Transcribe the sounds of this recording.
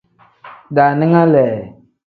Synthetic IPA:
da˨nɪ˦ŋa˦lɛ˨

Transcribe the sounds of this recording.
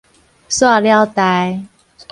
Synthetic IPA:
swa˥˧lja˥˧ʊt̪a˨˧j

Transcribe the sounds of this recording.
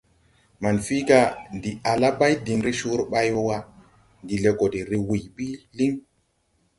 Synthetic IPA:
ma˨nfi˦ka˦ndi˨a˨la˦ba˦jdi˨nɾi˦ʃu˦ɾɓa˦jwo˦wa˦ | ndi˨le˨ko˨di˨ɾi˨wi˨jɓi˦li˦ŋ

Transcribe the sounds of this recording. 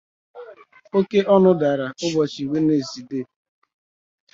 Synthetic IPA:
o˦ke˦ʔɔ˦nʊ˦da˨ɾa˨ʊ˦bɔ˨t͡ʃi˨we˦ne˨zi˨de˦

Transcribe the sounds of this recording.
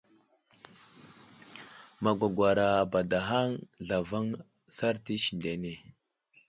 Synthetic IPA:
ma˨ɡʷa˨ɡʷa˨ɾa˨ba˨da˨ɦa˦ŋɮa˨va˦ŋ | sa˦ɾti˦ʃi˨nde˨ne˨

